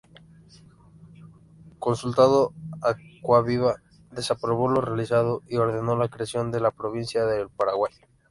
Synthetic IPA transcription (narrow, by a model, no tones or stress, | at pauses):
ko̞nsult̪aðo̞akwaβiβa | ðe̞sapɾo̞βo̞lo̞realisað̞o̞io̞ɾðe̞no̞lakɾeasjo̞nd̪e̞lapɾo̞β̞insjaðelpaɾaɣwaj